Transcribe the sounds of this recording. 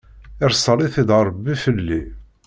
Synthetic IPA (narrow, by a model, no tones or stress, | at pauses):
ɪɾsˤəɾˤiθid̪əɾˤəbːifəlːi